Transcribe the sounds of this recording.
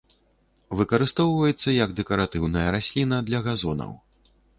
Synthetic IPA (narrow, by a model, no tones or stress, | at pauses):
vɨkɐɾɨst̪ɔwvɐjɛt̪sːɐjɐɡd̪ɛkɐɾat̪ɨwnɐjɐɾasʲlʲinɐd̪lʲɐɣazɔnɐ̰w